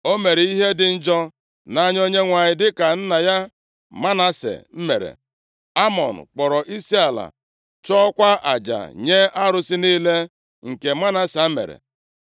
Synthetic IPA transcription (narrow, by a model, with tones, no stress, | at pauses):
o˦me˨ɾi˦ɦe˦dɪ˨n̩˦d͡ʒɔ˦ | na˦ɲ˦o˦ɲe˦ŋʷa˨ɲɪ˨dɪ˦ka˨n̩˦na˨ja˦ | ma˦na˦sḛ˨m̩˦me˨ɾḛ˨ | a˦mɔ̰˨n̩̰˨k͡pɔ˨ɾɔ˨ʔi˦si˦a˨la̰˨ | t͡ʃɔ˦kʷa˦ʔa̰˨d͡ʒa̰˨ɲe˦a˦ɾʊ˦sɪ˦niː˦le˦ | ŋ̩˨ke˨ma˦na˦sa˨˦mḛ˨ɾḛ˨